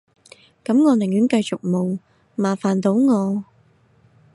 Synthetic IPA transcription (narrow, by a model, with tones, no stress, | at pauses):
kɐ˨˥mŋɔː˨˧nɪ˨˩ŋjyː˨˥nkɐ˧jt͡sʊ˨k̚mo˨w | maː˨˩faː˨˩nt̪o˨˥wŋɔː˨˧